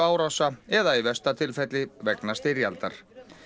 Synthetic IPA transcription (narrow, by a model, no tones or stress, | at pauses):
aːwɾawsaɛðaivɛst̪at̪ʰɪlfɛt̪lɪvɛknast̪ɪɾjalt̪aɾ̥